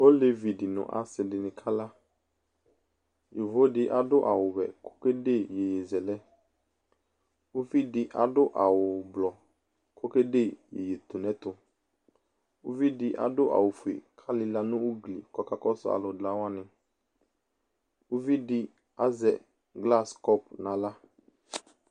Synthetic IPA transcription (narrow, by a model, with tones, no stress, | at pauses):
o˦le˨vi˨dɪ˨nʊ̰̃˨ʔa̰˨sɪ˨dɪ˨nɪ̃˨kʰa˦la˦ | jo˨vo˦dɪ˦ʔa˨˦dʊ˦ʔa̰˨wʊ˨wɛ̰˨kʰo̥˦ke˦de˦˨je˨je˨zɛ˨lɛ˦ | ʊ˦vi˦dɪ˦ʔa̰˨dʊ˦ʔa˨wʊ˨blɔ˨ | kʰo˦ke˦de˦˨jḛ˨je˨t̪o˨nɛ̃˨˦t̪ʊ˨ | u˦vi˦dɪ˦ʔa̰˨dʊ˦ʔa̰˨wʊ˨fu˨ḛ˨kʰa˦lɪ˦la˨nʊ̃˦u˦ɡlḭ˨kɔ˦ka˦kɔ˦sʊ̰˦a̰˨lʊ˨dla˨˦wa˦nɪ̃˨ | ʊ˦vi˦dɪ˦ | a˦zɛ̰˨ | ɡla˦skɔ˦p̚nã˨la˦